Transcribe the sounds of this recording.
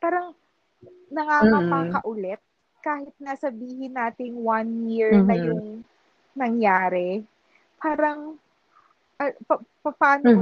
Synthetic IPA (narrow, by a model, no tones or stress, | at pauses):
paːɾɐŋ | nɐŋamɐmakɐʔʊlɛt̪̚ | kaːhɪt̪̚nɐsɐbiːhɪnaːt̪ɪŋwɐnjiɹnɐjʊŋ | nɐŋjaːɾɛ | pʰaːɾɐŋ | ʔɐpɐpɐpaːno